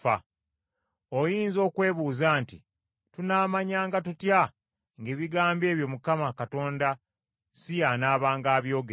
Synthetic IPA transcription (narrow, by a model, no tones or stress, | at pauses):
a̰ | ojiːnzo̞ːkwe̞ːβuːzaːntḭ | tunaːmaɲaːŋɡatutja | ŋɡe̞ːβiɡaːmbe̞ːβjo̞mukamakato̞ːnda | sijanaːβaːŋɡaːβjo̞ːɡe